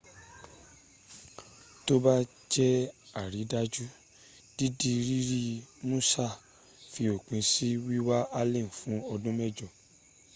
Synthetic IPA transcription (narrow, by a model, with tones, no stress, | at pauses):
to˦ba˦ | d͡ʒɛ˦a˦˨ɾi˨˦da˦d͡ʒu˦ | d̥i˦di˧ɾi˦ɾi˦mũ˦sa˦˨ | fi˧o˨k͡pĩ˨˧si˦wi˦wa˦a˧˦lẽ˦˨fũ˨˦ɔ˧dũ˦mɛ˦˨d͡ʒɔ˨